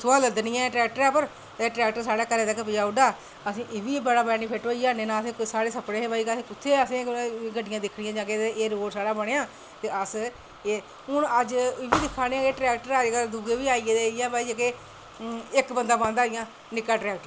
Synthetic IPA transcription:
sʊaːləd̪nɪjãːʈɾɛːk̚ʈəɾãːpəɾ | eːʈɾɛːk̚ʈəɾsaːɽaːkəɾeːt̪əkpɪjaːʊɖaː | əsĩːʔɪʋiːbəɽaːbɛniːpʰeːʈoːiaːnẽːnãːəsẽːsaːɽeːsəpɽeːebaːiːkːsĩːkʊt̪ʰːeːəsĩːɡəɖɪjãːd̪ɪkʰɽɪjãːd͡ʒãːkeeʔeːɾoːʈsaːɽaːbəɽeːãː | t̪eːəs | e | ʊnəd͡ʒɪʋiːd̪ɪkʰːaːnĩãkeʈɾɛːk̚ʈəɾad͡ʒkəld̪uɡeːʋiːaːieːd̪eɪjãːbaːid͡ʒaːkeː | ɪkbənd̪aːbãːnd̪aːɪjãː | nɪkːaːʈɾɛːkʈəɾ

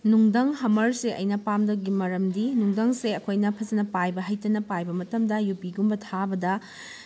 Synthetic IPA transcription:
nuŋdɐŋɦɐmɐɾseʔɐ̰jnɐpamdɐɡimɐɾɐmdinuŋdɐŋseɐkʰojnɐpʰɐzɐnɐpajbɐɦɐjtɐnɐpajbɐmɐtɐmdɐjupiɡumbɐtʰabɐdɐ

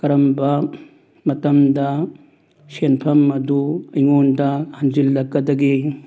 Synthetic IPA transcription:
kɐɾɐmbɐ | mɐtɐmdɐ | senpʰɐmɐduɐjŋondɐhand͡ʒilːɐɡɐdɐɡi

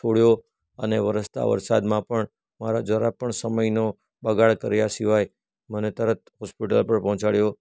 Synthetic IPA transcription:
t͡ʃʰoɽjo | əneʋəɾəst̪ʰa̰ʋə̰ɾsad̪mãpəɳ | maɾad͡ʒʋəɾapəɳsəməjno | bəɡaɭkəɾejasiʋaj | mənet̪əɾət̪̚ɦɔspiʈə̰lpəɳpɔɦɔ̃t͡ʃaɽjo

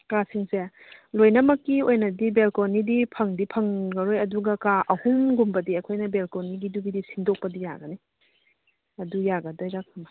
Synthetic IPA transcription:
kasiŋse | lojnɐmɐkːiojnɐdibelkonidipʰɐŋdipʰɐŋɡɐɾojɐduɡɐkaʔɐhuŋɡumbɐdiɐjkʰojnɐbelkoniɡidubidisiŋdok̚pɐdija̰ɡɐni | ɐdujaɡɐdojɾɐk̚mɐ

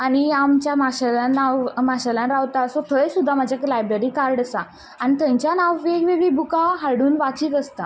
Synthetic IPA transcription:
aɽ̃iamt͡ɕjamaɕalãnaʋmaɕalãnɾaʋt̪asot̪ʰəɭesud̪ʱːamad͡ʑʱjaklajbɾeɾikaɾɖəsa | aɽ̃it̪ə̃ɲt͡ɕjanaʋʋeɡʋeʋibukaɦaɽuːnʋakiːkəst̪a

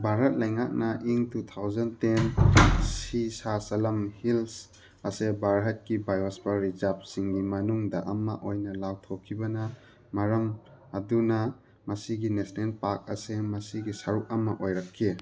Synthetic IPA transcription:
bʱaɾɦɐt̚lɐjŋak̚nɐʔiŋtutʰawzɐntensisasɐlɐmhils | ɐsebaɾɦɐt̚kibajosbɐɾizap̚siŋɡimɐnuŋdɐʔɐmɐʔojnɐlawtʰokʰːibɐnɐ | maɾɐmː | dunɐ | mɐsiɡinesnelpak̚ɐsemɐsiɡisaɾuk̚ɐmɐʔojɾɐkʰːi

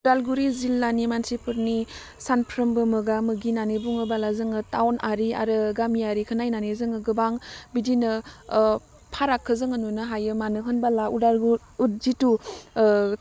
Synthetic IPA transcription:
udalɡuɾizilːanimansipʰɯɾni | sanpʰɾəmbɯmɯɡamɯɡinanebuŋɯbalazɯŋɯtawnaɾia̰ɾɯɡamijaɾikʰənajnanezɯŋɯɡɯbaŋbidinɯ | pʰaɾakʰːɯzɯŋanunɯɦajɯmanɯɦɯnbalaudalɡuɾ | ut̚zitu

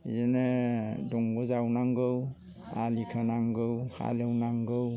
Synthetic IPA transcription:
izenɛdɔŋɡɔzawnaŋɡɯw | alikʰanaŋɡɯwha̰lɯwnaŋɡɯw

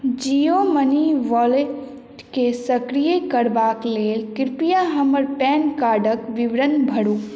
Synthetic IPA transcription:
d͡ʒijoməniʋɔːle | ʈkesɐkɾijekɐɾbaːkleːlkɪɾpijaɦɐməɾpɛːnkaːɾɖəkʋɪʋɾənbʱɐɽuː

